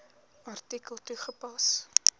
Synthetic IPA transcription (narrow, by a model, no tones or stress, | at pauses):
ɐrtikəlˠtuχəpɐs